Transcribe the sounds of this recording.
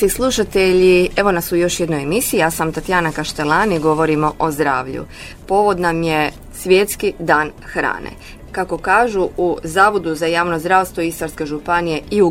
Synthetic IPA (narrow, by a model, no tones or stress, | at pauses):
islˠuʃat̪eʎie̞ʋo̞nasujo̞ʃjed̪nojemisiːjaːsamt̪at̪jaːnakaʃt̪elaniɡo̞ʋo̞ɾimo̞ʔozd̪ɾa̰ːʋʎṵ | po̞ʋo̞d̪namje | sʋʲjet̪skid̪aːn | xɾa̰ːnḛ | kako̞kaːʒuuzaːʋod̪uzajaːʋnozd̪ɾaːʋst̪ʋo̞ist̪aɾske̞ʒupanije̞iu